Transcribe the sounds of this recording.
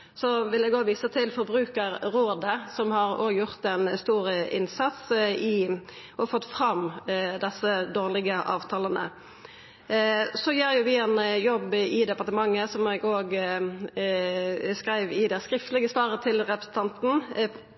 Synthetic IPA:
sɔʋɪlɛːɡoːɡʋiːsət̪ʰɪlfɔɾbʁʉːkəʁɾoːd̪əsɔmhɑʁoːɡjʊʁt̪ɛnst̪uːɾəʔɪnsɑt̪sɪ | ʔɔfɔt̪ːfɾɑmd̪ɛsːəd̪oːʁlɪɡəʔɑːʋt̪ʰɑːlənə̰ | sɔjeːɾjʊʋɪɛnjɔbːɪd̪ɛpɑʁt̪əmɑŋːəsɔmɛɡoːɡ | skɾæɪʋɪd̪æskɾɪft̪lɪɡəsʋɑːʁət̪ʰɪlʁɛpɾəsən̩t̪ʰɑnt̪n̩

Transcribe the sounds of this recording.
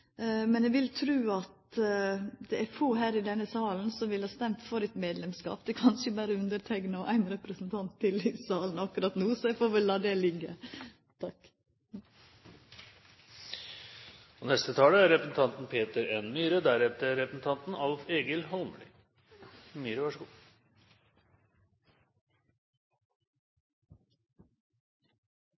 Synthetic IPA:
mɛnɛɡʋɪlt̪ʰɾʉːɑt̪ | d̪ɛʔæfoːɦæːɾɪd̪ɛnːəsɑːln̩sɔmʋɪlhɑːst̪ɛmt̪fɔɾɛt̪meːd̪lɛmskɑ̰ːpd̪̥ɛkʰɑnʃəbæːɾəʉnd̪əɾt̪ʰæɡnɑʔæɪnɾɛpɾəsnt̪ʰɑnt̪ʰːɪlɪsɑːlnɑkʉɾɑt̪nuːsɔɛfoːɾʋɛlːɑːd̪ɛlɪɡə | t̪ʰɑk | onɛst̪ət̪ʰɑːləæɾɛpɾəsn̩t̪ʰɑnt̪n̩pʰeːt̪əɾɛnmyːɾəd̪æɾɛt̪əɾɛpɾəsn̩t̪ʰɑnt̪n̩ɑlfeːɡəlhɔlmɭy̰ | myːɾəʋɑʂəɡuː

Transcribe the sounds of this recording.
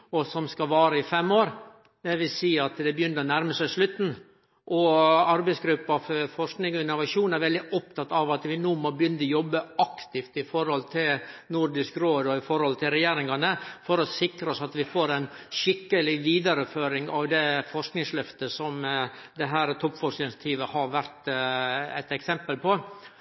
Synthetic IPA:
ɔsɔmskɑʋɑːɾəɪfɛmːoːɾ | d̪ɛʋɪlsiːɑt̪d̪ɛbəjʏnːəɾɔnæɾməsæɪslʉt̪n̩ | ʔɔɑɾbɛɪsɡɾʉpːɑffɔʂknɪŋɔɪnːʊʋɑʃuːnæɾʋɛld̪ɪʔɔpt̪ʰɑt̪ːɑʋɑt̪ʋɪnuːmɔbəjʏnd̪ɔjɔbːəɑkt̪ɪft̪ɪfɔɾhɔlt̪ʰɪlnʊɾd̪ɪskɾoːd̪ɔɪfɔɾhɔlt̪ʰɪlɾɛjeːɾɪŋɑnəfɔɾɔsɪkɾəɔsɑt̪ʋɪfoːɾæɪnʃɪkːəlɪʋiːd̪ɑɾəføːɾɪŋɑʋd̪ɛfɔʂknɪŋslœft̪əsɔmd̪ɛɦæːɾt̪ʰɔpːfɔkɪnsjɑt̪ʰiːʋəhɑɾʋæɾt̪ | ɛ̰t̪ɛksɛmpəlpʰɔ

